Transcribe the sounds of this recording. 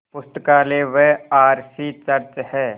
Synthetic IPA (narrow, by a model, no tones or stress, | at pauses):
pʊst̪əkaːleːʋeaːɾsiːt͡ʃɐɾt͡ʃhɛː